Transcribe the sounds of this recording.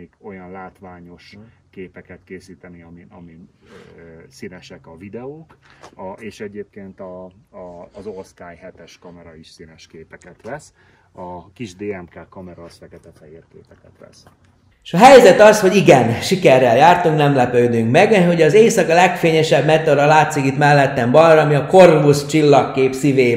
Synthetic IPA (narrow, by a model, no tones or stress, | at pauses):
eːko̞jɒnlaːt̪ʋaːɲo̞ʃkeːpɛkɛt̪keːsiːt̪ɛniɒmiɒmi | sinɛʃɛkɒvid̪ɛoːk | eːʃɛɟeːp̚keːnt̪ɒː | zost̪aːjhɛt̪ɛʃkɒmɛɾɒiʃsinɛʃkeːpɛkɛt̪ʋɛs | ɒkiʒd̪eːɛmkaːkɒmɛɾɒfɛkɛt̪ɛfɛeːrkeːpɛkɛt̪lɛ̰s | ʃɒɦɛjzɛt̪ɒsho̞ɟiɡɛnʃikɛrːɛljaːrt̪uŋknɛmlɛpøːd̪yŋkmɛɡɦo̞ɟɒzeːsɒkɒlɛkfeːɲɛʃɛbmɛt̪oɾɒlaːt̪sikit̪mɛlːɛt̪ːɛmbɒjɾːmiɒko̞rvust͡ʃilːɒkːeːpsiveː